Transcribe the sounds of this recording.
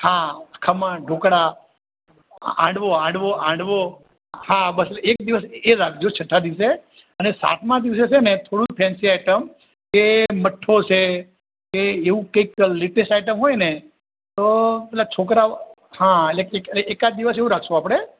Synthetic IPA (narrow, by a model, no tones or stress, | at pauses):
hãkʰəmãɖʱokɽa | ã̰ɖʋoãɳɖʋoʔãɖʋo | hãbəsek̚d̪iʋəseɾak̚ʰd͡ʒot͡ʃʰəʈʰːad̪iʋse | ənesa̰ʈʰmãd̪iʋs̬et͡ʃʰenet̪ʰoɽũpʰɛ̃nsiajʈəm | keməʈʰːot͡ʃʰe | keːʋũkəikleʈesʈajʈəmɦojne | t̪opɛlat͡ʃʰokɾa | hãeleekeeekad̪iʋəseʋũɾakʰʃõapɽ̃e